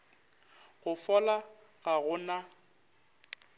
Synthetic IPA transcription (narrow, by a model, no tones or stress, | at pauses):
ɣʊfɔla | ɣaɣʊna